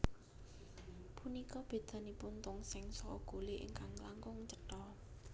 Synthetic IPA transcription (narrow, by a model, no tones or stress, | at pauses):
punikɔb̥e̤d̪̥ä̤nipʊnt̪ʊŋsɪŋsɔkɔ̰ɡ̥o̤lɪʔɪ̰ŋkaŋlaŋkʊŋt͡ʃəʈɔ